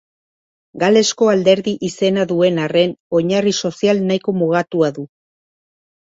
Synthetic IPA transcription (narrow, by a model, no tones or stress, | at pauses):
ɡale̞sko̞ald̪e̞ɾðiʔise̞naðue̞nare̞no̞ɲariso̞sialnajko̞muɣ̞at̪uaðu